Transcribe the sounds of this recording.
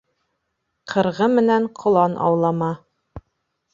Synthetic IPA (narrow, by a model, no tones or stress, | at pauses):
qʰɤ̆ɾʁɤmɘ̆næɴqʰŏlˠɑnʔɑ̰wlˠɑmɑ